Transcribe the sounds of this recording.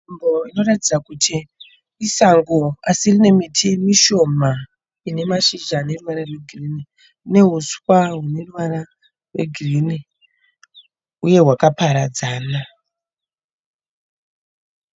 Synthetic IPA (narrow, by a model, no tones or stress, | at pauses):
mbo̞ino̞ratid͡zakutʰiː | saŋɡoasirine̞mitʰimiʃo̞ma | ine̞maʃiʒane̞ruʋaɾarwe̞ɡʱirini | ne̞ɦuswaɦune̞ruʋaɾa | rwḛɡʱirini | uje̞ɦwakapaɾad͡zaːna